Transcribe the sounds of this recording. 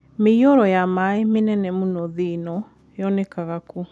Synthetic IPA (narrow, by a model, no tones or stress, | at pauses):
mejɔɾɔjamaemenɛnɛmunɔðenɔ | jɔnɛkaɣaku